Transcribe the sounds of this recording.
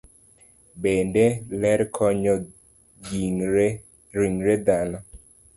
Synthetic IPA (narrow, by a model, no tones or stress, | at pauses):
bendelɛɾkʰɔɲɔ | ɡi | ɾiŋɾed̪anɔ